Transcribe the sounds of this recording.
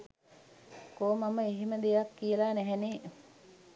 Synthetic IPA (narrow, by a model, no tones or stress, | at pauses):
koːmaməeɦiməd̪ejakːijəlanɛɦɛne